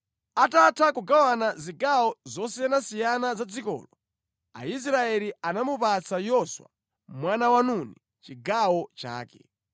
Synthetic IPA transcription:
atatʰakuɡawanaziɡawɔzɔsɛnasijanazad͡zikɔ̰ːlɔ | a̰is̬ɾaɛlianamupat͡sajɔswa̰ | mwanawanuni | t͡ʃiɡawɔt͡ʃa̰ːkɛ̰

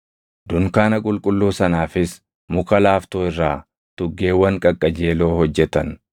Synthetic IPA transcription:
d̪ʊŋkaːnɐkʼʊlkʼʊlːuːsɐnaːfɪs | mʊkɐlaːft̪oːɪrːaː | t̪ʊɡːe̞ːwːɐŋkʼɐkʼːɐd͡ʒe̞ːlo̞ːhɔd͡ʒːɛt̪ɐn

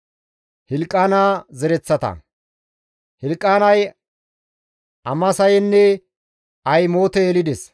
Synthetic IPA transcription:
hɪlkʼːaːnaːzɛɾɛt͡sːɐt̪ɐ̰ | hɪlkʼːaːnɐj | ɐmɐsɐjɛnːɛ | ɐjmo̞ːt̪ɛːlɪd̪ɛs

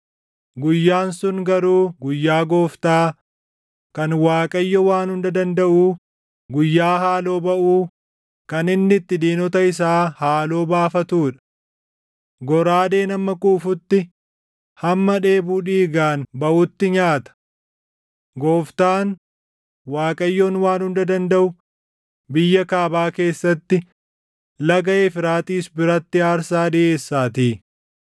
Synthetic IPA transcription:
ɡʊjːaːnsʊnɡɐɾuːɡʊjːaːɡo̞ːft̪aː | kɐnwaːkʼɐjːɔwaːnhʊnd̪ɐd̪ɐnd̪ɐʔuː | ɡʊjːaːɦaːlo̞ːbɐʔuː | kɐnɪnːɪt̪ːɪd̪iːnɔt̪ɐɪs̬aːhaːlo̞ːbaːfɐt̪uːᶑɐ̥ | ɡɔɾaːd̪e̞ːnɐmːɐkʼuːfʊt̪ːɪ | hɐmːɐᶑe̞ːbuːᶑiːɡaːnbɐʔʊt̪ːɪɲaːt̪ɐ̥ | ɡoːft̪aːn | waːkʼɐjːoːnwaːnhʊnd̪ɐd̪ɐnd̪ɐʔʊ | bɪjːɐkaːbaːke̞ːsːɐt̪ːɪ | lɐɡɐeːfɪɾaːt̪iːsbɪɾɐt̪ːɪaːɾsaːd̪ɪʔe̞ːsːaːt̪iː

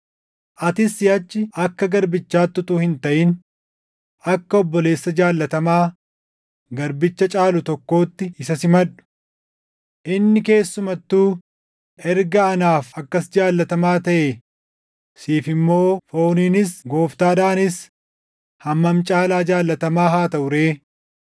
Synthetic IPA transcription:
ʔɐt̪ɪsːɪjɐt͡ʃːɪɐkːɐɡɐɾbɪt͡ʃːaːt̪ːʊt̪uːhɪnt̪ɐʔɪn | ɐkːɐɔbːɔle̞ːsːɐd͡ʒaːlːɐt̪ɐmaː | ɡɐɾbɪt͡ʃːɐt͡ʃʼaːlʊt̪ɔkːo̞ːt̪ːɪɪsɐsɪmɐᶑʊ̥ | ʔɪnːɪke̞ːsːʊmɐt̪ːuː | ɛɾɡɐːnaːfɐkːɐsd͡ʒaːlːɐt̪ɐmaːt̪ɐʔe | siːfɪmːo̞ːfo̞ːniːnɪsɡo̞ːft̪aːd̪aːnɪs | hɐmːɐmt͡ʃʼaːlaːd͡ʒaːlːɐt̪ɐmaːɦaːt̪ɐʔʊɾeː

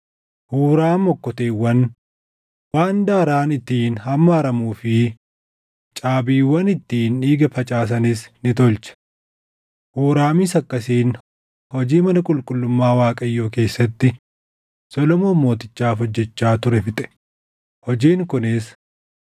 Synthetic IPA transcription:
huːɾaːmɔkːɔt̪eːwːɐn | waːnd̪aːɾaːnɪt̪ːiːnhɐmːɐːɾɐmuːfɪ | t͡ʃʼaːbiːwɐnɪt̪ːiːniːɡɐfɐt͡ʃʼaːs̬ɐnɪsnɪt̪ɔlt͡ʃɐ̥ | huːɾaːmɪsɐkːɐsiːn | hɔd͡ʒiːmɐnɐkʼʊlkʼʊlːʊmːaːwaːkʼɐjːo̞ːke̞ːsːɐt̪ːɪ | sɔlɔmo̞ːmo̞ːt̪ɪt͡ʃːaːfɔd͡ʒːɛt͡ʃːaːt̪ʊɾɛfɪt̪ʼɛ̥ | hɔd͡ʒiːŋkʊnɪs

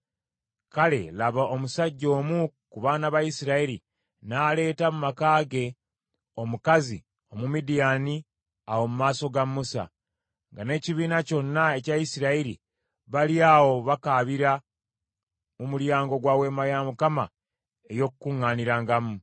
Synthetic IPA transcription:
kale̞̰laβaʔomusaɟːo̞ːmukuβaːnaβaisiɾaiɾi | naːle̞ːtamumakaːɡe̞ | o̞mukazi | o̞mumidijani | awo̞mumaːso̞ɡamːusa̰ | ŋɡane̞ːciβiːnaco̞nːae̞cajisiɾaiɾḭ | βaliawo̞βakaβiɾa | umuljaːŋɡo̞ɡwaːwe̞ːmajamukama | ejo̞kukuŋːaniɾaŋɡamu

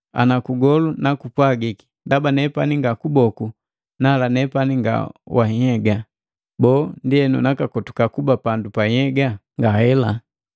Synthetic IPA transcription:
a̰nakuɡɔlunakupwaɡiki̥ndabanɛpaniŋɡakubɔku | nalanɛpaniŋɡa̰wahihɛɡa | bɔːndiɛnṵnakakɔtu̥kakubapandupahɛɡaŋɡahɛla

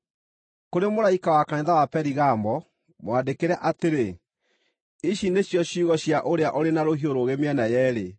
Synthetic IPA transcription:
koɾemoɾaikawakaɲeðawapɛɾiɣaːmbɔ | mwandekeɾɛʔateɾe | iɕineɕjɔɕuːɣɔɕjaʔoɾeaʔoɾenaɾoɦioɾoɣemeɛnajɛːɾe

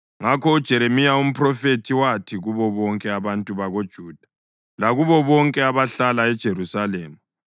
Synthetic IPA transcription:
ŋakʰɔud̥ʒ̥ʱɛɾemijaum̩pʰʼrɔfetʰiwatʰiɣuβɔβɔŋkʼɛaβantʼuβaɣod̥ʒ̥ʱuːd̥ʱḁ | laɣuβɔβɔŋkʼɛaβaɬalaɛd̥ʒ̥ʱeɾusaleːma

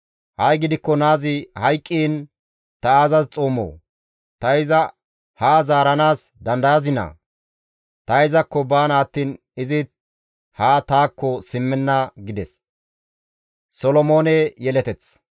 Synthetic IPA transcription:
hɐjɡɪd̪ɪkːɔnaːzɪhɐjkʼːiːn | t̪ɐaːzɐzt͡sʼoːmːo̰ː | t̪ɐɪzɐ | haːzaːɾɐnaːsd̪ɐnd̪ɐjɐzɪnɐ̰ | t̪ɐɪzɐkːɔbaːnaːt̪ːiːn | ɪzɪ | haːt̪aːkːɔsɪmːɛnːɐɡɪd̪ɛs | sɔlɔmoːnɛjɛlɛt̪ɛt͡s

